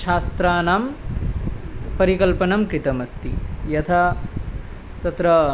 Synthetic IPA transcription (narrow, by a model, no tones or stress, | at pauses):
ʃaːst̪ɾaːnaːm | pɐɾikɐlpɐnɐmkɾit̪ɐmɐst̪ḭjɐt̪ʰɐ | t̪ɐt̪ɾɐ